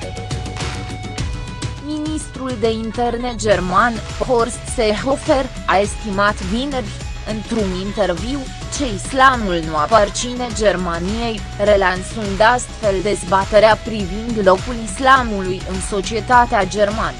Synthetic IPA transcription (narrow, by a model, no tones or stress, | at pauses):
minist̪ɾuld̪e̞int̪e̞rne̞d͡ʒe̞rmanfɦorsseɦo̞fe̞r | ae̞st̪imat̪vinerʲ | ɨnt̪ɾunint̪e̞rviw | t͡ʃe̞islamulnuapart͡ʃine̞d͡ʒe̞rmanije̞j | re̞lansund̪ast̪fe̞ld̪e̞zbat̪e̞ɾeapɾivind̪lo̞kulislamulujɨnso̞t͡ʃie̞t̪at̪ead͡ʒe̞rmanə